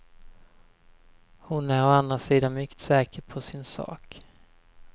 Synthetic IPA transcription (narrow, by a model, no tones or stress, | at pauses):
hʊnæɾɔand̪ɾasiːd̪anmʏkːt̪sɛːkəɾpʰɔsɪnsɑ̰ːk